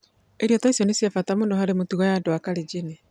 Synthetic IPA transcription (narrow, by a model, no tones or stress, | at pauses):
eɾjɔtaisonesjafatamoːndoɦaɾemotiɣajandoakalid͡ʒine